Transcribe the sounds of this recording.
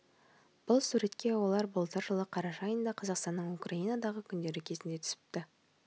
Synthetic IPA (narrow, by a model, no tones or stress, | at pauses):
b̥ʊlˠsuɾe̞t̪kʲe̞wo̞lˠɑɾbəlˠt̪əɾʒəlˠəqʰɑɾɑʃɑɑjənd̪ɑqʰɑzɑqst̪ɑnːəɴukraijnɑd̪ɑʁəkʲʰʏnd̪e̞ɾɪkʲʰe̞zɪnd̪e̞t̪ʰʏ̥sɪ̥p̚t̪ɪ